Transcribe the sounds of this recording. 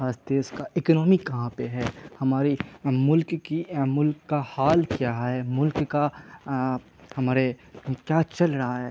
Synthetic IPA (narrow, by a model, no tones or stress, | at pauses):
aːst̪eʊskaɪknɔːmikɐɦãpeɦɛːhɐmaːɾimʊlkkimʊlkːahaːlkjaːɦɦɛːmʊlkka | hɐmaːɾe | kjaːt͡ʃɐlɾɐɦaɦɛː